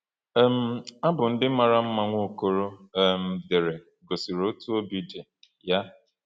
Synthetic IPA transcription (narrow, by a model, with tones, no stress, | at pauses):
m̩˦a˦bʊ˨n̩˦dɪ˦ma˨ɾa˦m̩˦ma˦ŋʷo˦o˦˨ko˦ɾo˦˨m̩˨de˨ɾe˨ | ɡo˨si˨ɾo˦tu˦o˦bi˦de˨ | ja˦